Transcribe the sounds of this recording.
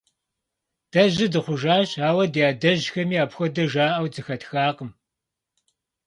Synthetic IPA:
d̥ɐʑɪdɨχʷʊʒaːɕaːwɐdjaːdɐʑxɐmiːaːpxʷɔdɐʒaːʔɐwd͡zɨxɐtxaːqəm

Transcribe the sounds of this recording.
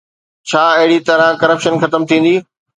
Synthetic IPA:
t͡ɕʰaːɐɦɪɽit̪ɐɾãkɐɾəpʃənxɐt̪əmt̪ʰĩːn̆d̪iː

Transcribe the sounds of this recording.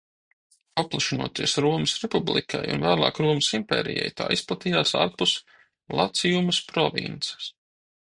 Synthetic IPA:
ap̚plˠaʃinṵɔt̪iɛsɾuɔmɨsɾɛpublˠḭkʰa̰jṵnvæːlˠɑ̰ːkɾuɔmɨsimpɛ̰ːɾijɛ̰jt̪a̰ːisplˠat̪ijaːsa̰ːɾpus | lˠat̪sijumɨspɾɔvḭnt̪sɐ̥s

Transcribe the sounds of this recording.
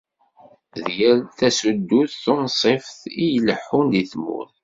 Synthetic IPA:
ðjælθæsud̪ːuθːʊnsˤefθijələħːʊnd̪iθmːʊ̰θ

